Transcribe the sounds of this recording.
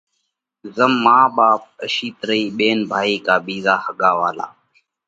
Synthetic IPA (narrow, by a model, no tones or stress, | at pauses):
zəmːaːɓaːp̚əʃiːt̪ɾəiːɓeːnbʱaːiːkaːɓiːzaːhəɠaːʋaːla̰ː